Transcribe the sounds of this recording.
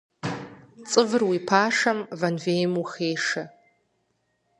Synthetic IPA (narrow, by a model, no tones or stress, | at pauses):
t͡sʼɨvɨrwipʰaːʂɐmvɐnveːjmuxeːʂɐ